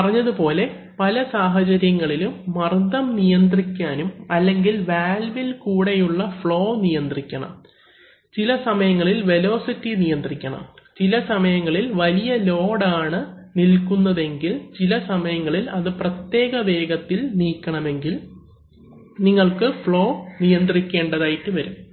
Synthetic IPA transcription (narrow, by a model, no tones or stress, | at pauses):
pɐrɐɲːɐðupo̞ːle̞ | pɐlɐsaːɦɐt͡ɕɐɾjɐŋːɐɭilumːɐrd̪ɐmnijɐnd̪rikʲːaːnumɐlːe̞ŋɡilʋaːlʋilkuːɽe̞juɭːɐfɭo̞ːnijɐnd̪rikʲːɐɳɐ̰m | t͡ɕilɐsɐmɐjɐŋːɐɭilʋe̞lo̞ːsitːinijɐnd̪rikʲːɐɳɐ̰mt͡ɕilɐsɐmɐjɐŋːɐɭilʋɐlijɐlo̞ːɽaːɳɨ | nilkunːɐðe̞ŋɡilt͡ɕilɐsɐmɐjɐŋːɐɭilɐðɨprɐt̪je̞ːɡɐʋe̞ːɡɐt̪ːilniːkʲːɐɳɐme̞ŋɡil | niŋːɐɭkɨfɭo̞ːnijɐnd̪rikʲːe̞ːɳɖɐðaːjiʈːɨʋɐɾum